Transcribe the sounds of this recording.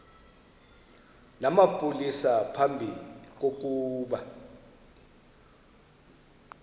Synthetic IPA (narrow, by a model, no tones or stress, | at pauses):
namapʼulisapʰambʱik̬ʼok̬ʼuːɓa